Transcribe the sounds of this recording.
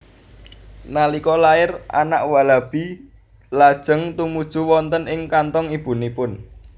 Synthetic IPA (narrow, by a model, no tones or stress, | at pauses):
nalikɔlaɪrʔa̰na̰ʔwalab̥i | lad̥ʒ̥ə̤ŋt̪umud̥ʒ̥ṳwɔnt̪ənɪŋkant̪ɔŋib̥ṳnipʊn